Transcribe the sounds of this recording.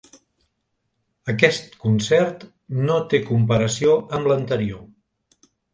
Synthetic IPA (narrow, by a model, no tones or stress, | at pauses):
əkɛst̪kunsɛrt̪ | not̪ekumpəɾəsioəmlənt̪əɾio